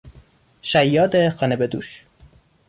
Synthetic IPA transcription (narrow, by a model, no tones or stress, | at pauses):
ʃæjːɒːd̪exɒːnebed̪ṵːʃ